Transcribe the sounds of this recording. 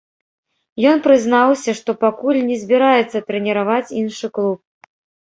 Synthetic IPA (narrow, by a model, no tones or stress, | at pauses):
jɔnpɾɨznawsʲɐʂt̪ɔpakulʲnʲɛzʲbʲiɾajɛt̪sːɐt̪ɾɛnʲɛɾavat͡sʲinʂɨklˠup̚